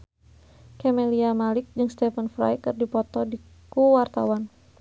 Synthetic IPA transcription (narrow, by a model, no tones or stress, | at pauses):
kɛmɛliamalɪk̚d͡ʒɨŋst̪ɛfənfɾa̰jkɨrdipɔt̪ɔdi | kuwart̪a̰wan